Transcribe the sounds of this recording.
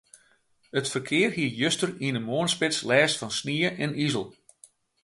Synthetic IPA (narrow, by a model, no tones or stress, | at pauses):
ətfərkʰɪərhiəjøstəriənəmoənspɪtslɛːstfɑnsniəʔɛnizəlˠ